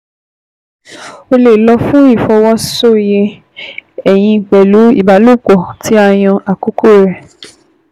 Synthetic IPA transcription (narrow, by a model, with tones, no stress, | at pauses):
o˧le˨lɔ˧fũ˦i˦˨fɔ˧wɔ˦so˦˨je˧ | ɛ˨j̃ĩ˧˨k͡pɛ˨lu˨˦ḭ˦˨ba˨˦lo˦˨ɡɔ˨tʰi˨˦a˦˨j̃ɔ̃˧ʔa˨ku˨˦ko˦˨ɾɛ˨